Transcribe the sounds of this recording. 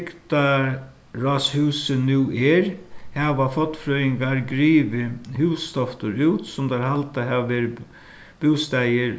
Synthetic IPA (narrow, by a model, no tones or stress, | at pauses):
kt̪a | ɾɔshʉːsənuːʔɛɾhɛːʋafɔt̪ːfɾœɪŋɡaɾɡɾiːʋɪhʉːst̪ɔft̪ʊɾʉːt̪sʊmd̪aɾhalt̪aɦɛʋaʋeːɾɪ | b̥uːst̪æjɪɾ